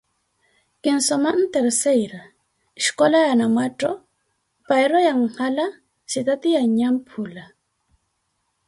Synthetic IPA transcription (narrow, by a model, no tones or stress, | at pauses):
kɪnsomaʔnt̪eɾsejɾa | ɪʃkolaanamwaʈ͡ʂo | pajɾojaŋhala | sit̪at̪iaɲampʰula